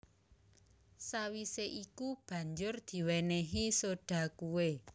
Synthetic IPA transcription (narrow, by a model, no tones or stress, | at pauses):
sawiseʔikub̥ä̤ɲd͡ʒʊrd̪̥i̤weneɦisoɖ̥a̤kuwe